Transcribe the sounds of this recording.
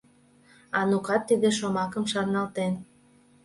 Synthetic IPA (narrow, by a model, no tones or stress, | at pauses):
ɑnukɑt̪ːid̪eʃomɑkəmʃɑnɑlt̪en